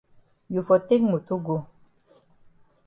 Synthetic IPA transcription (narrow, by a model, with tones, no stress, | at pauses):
ju˨fɔ˨t̪e˦kmu˨t̪u˦ɡo˨